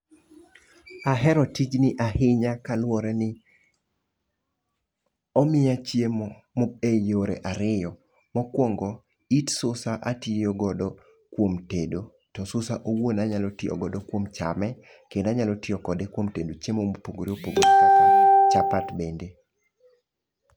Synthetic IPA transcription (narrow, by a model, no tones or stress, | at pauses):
aɦɛɾɔtid͡ʒnɪʔahɪɲakalwɔɾɛnɪ | ɔmɪjat͡ʃjemo | moejoɾḛʔaɾɪjɔ | mɔkwɔŋɡɔ | itsʊsaʔatɪoɡɔdɔ | kwomtedo | tɔsʊsaʔowonaɲalɔtɪɔ̰ɡɔdokwomt͡ʃa̰mɛ | kendaɲalotɪɔkɔdekwomtedot͡ʃemomopoɡoɾiopoɡoɾ | t͡ʃapatbende